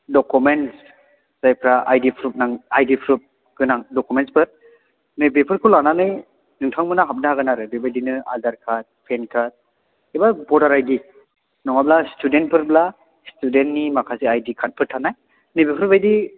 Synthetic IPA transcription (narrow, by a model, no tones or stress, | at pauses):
dɔkumens | z̥ajpʰɾaʔajdipʰɾut̚naŋajdipʰɾut̚ | ɡ̥ɯnaŋdɔkumentsbɯɾ | nebepʰɯɾkʰulananɯj | nɯŋtʰaŋmɯnaɦap̚naɦaɡɯnaɾɯbebajdinɯa̰daɾkʰat̚pʰenkʰat̚ | ibabɔdaɾajdi | nɔŋablastudent̚bʰɯɾbla | studentnimakʰasiajdikʰat̚pʰɯɾtʰanaj | nebepʰɾpajdi